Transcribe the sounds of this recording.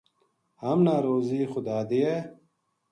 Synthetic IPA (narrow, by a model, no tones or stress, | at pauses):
hɐmnaːɾoːziːxʊd̪aːd̪ije